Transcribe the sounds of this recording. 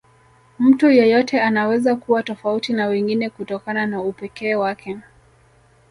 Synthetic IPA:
m̩tujɔjɔtɛanawɛzakuwatɔfautinawɛŋɡinɛkutɔkananaupɛkɛːwakʰɛ

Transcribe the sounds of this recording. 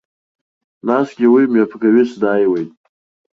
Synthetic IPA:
nasɡʲiwimjapʰɡaɥisdajwejtʼ

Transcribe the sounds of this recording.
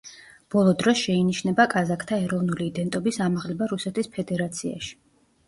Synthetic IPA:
b̥ɔlˠɔd̪ɾɔsʃɛiniʃnɛbakʼazakʰt̪ʰaɛɾɔvnuliːd̪ɛnt̪ʼɔbisamaʁlɛbaɾusɛt̪ʰispʰɛd̪ɛɾat̪sʰia̰ʃi̥

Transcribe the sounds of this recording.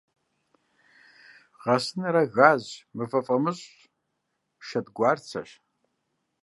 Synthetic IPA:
ʁɐsɨnɐɾɐɣaːʑmɨfɐfʼɐmɨɕʼ | ʃɐdɡʷaːrt͡sʰɐ̰ɕ

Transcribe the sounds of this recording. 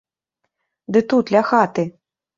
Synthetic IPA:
d̪ɨt̪ut̪lʲaxat̪ɨ

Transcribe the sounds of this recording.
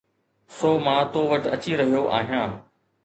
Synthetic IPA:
soːmãːt̪oːʋɐʈɐ̰t͡ɕiɾɐɦijoʔa̰ːɦijãː

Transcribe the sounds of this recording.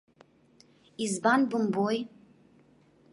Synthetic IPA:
izbanbumboj

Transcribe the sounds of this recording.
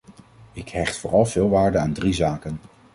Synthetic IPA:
ɪkɦɛχtfʊːrɑlˠv̥ɪːlˠʋaːɹdənaːndrizaːkən

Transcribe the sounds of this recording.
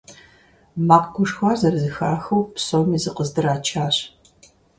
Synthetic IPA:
maːqɡʷʊʂxʷaːzɐrzɨxaːxɐwpsomiːzɨqəzdɨraːt͡ʃʰaːɕ

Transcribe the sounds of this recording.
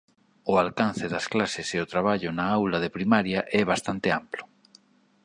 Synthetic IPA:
ʊalkanθɪðɐsklasɪseʊt̪ɾaβ̞aʎʊnaawlaðepɾimaɾjaʔɛβ̞ast̪ant̪ɪamplʊ̥

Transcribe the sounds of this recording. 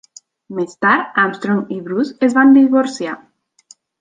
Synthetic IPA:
mest̪aɾtamst̪ɾomiβɾusezβand̪iβoɾsja

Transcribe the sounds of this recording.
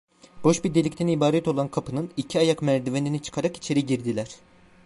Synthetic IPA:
b̥o̞ʃbid̪e̞lʲict̪ʰænibaːɾɛt̪o̞lˠankʰapʰɯnɯnicʰiajakmæɾd̪ive̞ninit͡ʃʰɯ̥kʰaɾaki̥t͡ʃʰe̞ɾiɟiɾd̪ilʲæɾ̥

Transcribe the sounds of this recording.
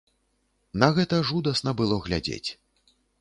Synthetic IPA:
nɐɣɛt̪ɐʐud̪ɐsnɐbɨlˠɔɣlʲa̰d͡zʲḛt͡sʲ

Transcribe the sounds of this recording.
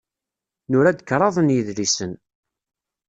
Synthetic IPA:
nʊɾæd̪əkːɾˤɑðˤənjəðlisən

